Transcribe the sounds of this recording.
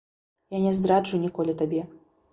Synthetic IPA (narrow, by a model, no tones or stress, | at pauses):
janʲɛzd̪ɾad͡ʐunʲikɔlʲɛt̪abʲɛ